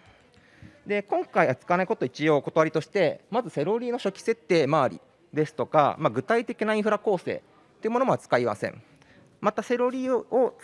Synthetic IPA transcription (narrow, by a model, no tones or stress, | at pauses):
d̪e̞kõ̞ŋkaiβat͡sɨ̥kanaikot̪oit͡ɕio̞ːko̞t̪oaɾʲit̪o̞ɕi̥t̪e̞mazɨse̞ɾo̞ɾʲiːno̞ɕo̞kʲi̥se̞t̪ːe̞ːmaːɾʲḭ | d̪e̞sɨ̥t̪o̞ka̰maɡɯ̟t̪ait̪e̞kʲinaĩɰɸɯ̟ɾako̞ːse̞̰ː | tt̪ːeɯ̟mo̞no̞mo̞at͡sɨ̥kaima̰sẽ̞̰ɴ | mat̪ase̞ɾo̞ɾʲiːo̞